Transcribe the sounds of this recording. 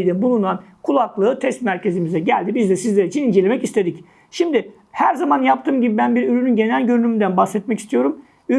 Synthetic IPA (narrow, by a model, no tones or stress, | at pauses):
ijd̪ɛbulˠunankʰulˠaklˠɯːt̪ʰɛst̪mæɾce̞zimizɛɟælʲd̪ibizd̪ɛsizlʲeɾit͡ʃʰinind͡ʒelʲemɛcist̪ʰe̞d̪ic | ʃimd̪ɪ | hæɾzamanjap̚t̪ʰɯːmɟibibænbiɾyɾynynɟe̞nælʲɟøɾynymynd̪ænbaxsɛt̪̚mɛci̥st̪ʰijo̞ɾum | y